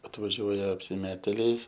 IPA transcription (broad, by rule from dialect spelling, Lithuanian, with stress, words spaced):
ɐtʋɐˈʒʲuɔjɛ ɐpʲsʲɪˈmʲæːtʲeːlʲɛɪ